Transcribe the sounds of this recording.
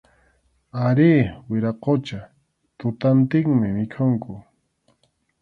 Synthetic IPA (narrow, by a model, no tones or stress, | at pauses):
aɾiːwɪɾaqot͡ʃa | t̪ʊt̪ant̪ɪŋmɪmɪkʰʊŋkʊ